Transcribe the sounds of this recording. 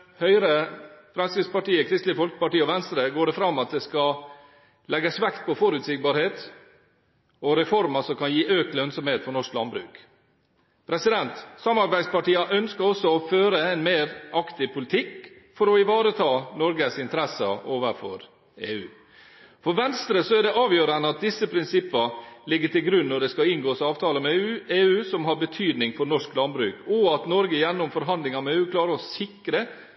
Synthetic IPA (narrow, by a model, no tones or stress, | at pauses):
hœʏɾəfɾɑnsɪspɑʈiːəkʰɾɪst̪lɪfɔlkə̥pɑʈiːəɔʋɛnst̪ɾəɡoːɖɛfɾɑmːɑt̪̚d̪ɛskɑ | lɛɡəsʋɛkt̪̚pʰɔfɔɾʉːt̪sɪk̚bɑːɾheːt̪ | ɔɾɛfɔɾməsɔkʰɑnjiːʔøːklœnsɔmheːt̪fɔɳɔʂklɑnbɾʉ̰ːk | pʰɾɛsɪd̪ɛnt̪sɑmɑɾbæɪspɑʈiːɑʔœnskəɾɔsːɔɔføːɾəɛnmeːɾɑkt̪ɪpʰʊlɪt̪ʰɪk | fɔɾɔɪʋɑːɾət̪ʰɑːnɔɾɡəsɪnt̪əɾɛsə̰ʔoːʋəɾfɔ̰ɾ | eːʉː | fɔɾʋɛnst̪ɾəsɔæɖɛʔɑːʋjøːɾənəɑt̪̚d̪ɪsːəpʰɾɪnsɪpːəlɪɡːəʈʰɪlɡɾʉnːɔɖɛskɑɪŋɡoːsɑːʋt̪ʰɑːləmɛʉeːʉːsɔmɦɑɾbət̪ʰyːd̪nɪŋfɔɾnɔʂklɑnbɾʉːkɔɑt̪nɔɾɡəjɛnːʊmfɔɾɦɑnd̪lɪŋɑmɛeːʉːkʰlɑːɾəɾɔsɪkɾə